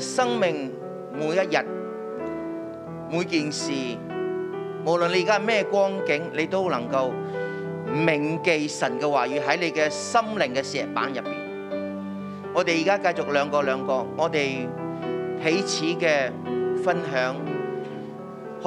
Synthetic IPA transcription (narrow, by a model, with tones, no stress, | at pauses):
sɐ˥ŋmɪ˨ŋ | muː˨˧jɐ˥t̚jɐ˨t̚ | muː˨˧jkiː˨nsiː˨ | mo˨˩wlɵ˨nle˧jːkaː˥˨mɛː˥˩kʷɔː˥ŋkɪ˨˥ŋle˨˧jt̪o˥wlɐ˨˩ŋkɐ˧w | mɪ˨˩ŋke˨jsɐ˨˩nkɛː˧waː˨˩jɥyː˨˧ɦɐ˨˥jle˨˧jkɛː˧sɐ˥mlɪ˨ŋkɛː˧sɛː˨˩t̚pa̰ː˨˥njɐ˨pːiː˨˩n | ŋɔː˨˧t̪e˨jiː˨˩kaː˥kɐ˧jt͡sʊ˨k̚lœː˨˧ŋkɔː˧lœː˨˧ŋkɔː˧ŋɔː˨˧t̪e˨j | pʰe˨˥jt͡sʰiː˨˥kɛː˧fɐ˥nɦœː˨˥ŋ | h